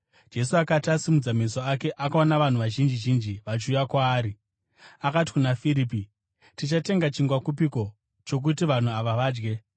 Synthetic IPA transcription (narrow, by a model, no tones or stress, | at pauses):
d͡ʒe̞suakatasimud͡zamisoake̞ʔakaonaʋan̤uʋaʒind͡ʒiʒind͡ʒiʋat͡ʃiujakwaːɾi | akat̬i̥kunafiɾiːpi | tit͡ʃate̞ŋɡat͡ʃiŋɡwakupiko̞ | t͡ʃo̞k̬utiʋan̤uaʋaʋaːd͡ʒɡe̞